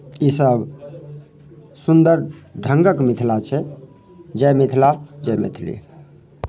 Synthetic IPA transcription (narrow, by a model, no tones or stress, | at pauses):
isəb | sund̪əɾɖʱəŋɡəkmit̪ʰlat͡ʃʰɛ | d͡ʒɛmit̪ʰlad͡ʒɛmḭt̪ʰlḭ